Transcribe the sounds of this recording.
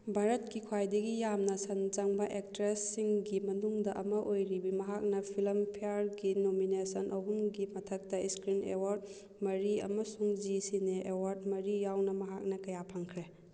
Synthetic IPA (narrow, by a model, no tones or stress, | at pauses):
bʱaɾɐt̚kikʰwajdɐɡijamnɐsɐnd͡ʒaŋbɐʔek̚tɾesiŋɡimɐnuŋdɐʔɐmɐʔojɾibimɐɦak̚nɐpʰilɐmpʰijaɾɡinominesɐnʔɐɦumɡimɐtʰɐk̚tɐiskɾinḛwaɾd̚ | mɐɾiɐ̰mɐsuŋd͡ʒisineʔewaɾd̚mɐɾijawnɐmɐɦak̚nɐkɐjapʰaŋkʰɾe